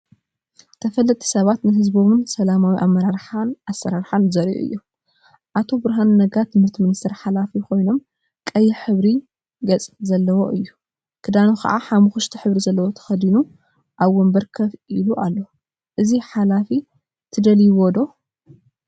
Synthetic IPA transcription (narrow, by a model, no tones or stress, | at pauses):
t̪ʰɐfɐlːɐt̪ʰʼi̥sɐβat̪nɨɦɨzbo̞mɨnsɐlamawiʔamːɐɾaɾħanʔasːɐɾaɾħanzɐɾʔʔṵɨ̰jːu | ʔat̪ʰo̞bɨɾɦanːɐɡat̪ʰɨmhɨɾt̪ʰɨminist̪ʰɐɾħalafikʰo̞jno̞m | kʼɐjːɪħɨβɾi | ɡɐt͡sʼzɐlːɐwo̞ʔɨjːu | kʰɨd̪anoxʰɐ̰ʔa̰ħamɨxuʃt̪ʰiħɨβɾizɐlːɐwo̞t̪ʰɐ̥xɐd̪inu | ʔaβwɔmbɐɾkʰɐfiluʔalːo | ʔɨziħalafi | t̪ʰɨd̪ɐljɪwɔd̪o̞